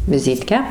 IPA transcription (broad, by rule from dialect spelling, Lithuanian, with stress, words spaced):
ʋʲɪˈzʲiːtʲkʲæː